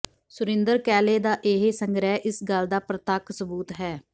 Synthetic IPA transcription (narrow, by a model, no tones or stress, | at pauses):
sʊɾɪ̃nd̪əɾkɛːleːd̪aːʔeːɦesəŋɡɾɛːʔɪsɡəld̪aːpɾət̪aːksəbuːt̪ɦɛː